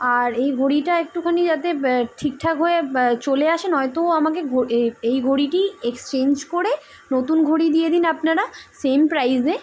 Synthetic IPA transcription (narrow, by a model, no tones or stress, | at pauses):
aɾejɡʱoɽiʈaek̚ʈukʰanid͡ʑat̪eʈʰik̚ʈʰakɦɔet͡ɕoleaʃenɦɔet̪oamak̬eɡʱoejɡʱoɽiʈiekst͡ɕend͡ʑkoɾe | not̪unɡʱoɽid̪ijed̪inapnaɾasempɾajze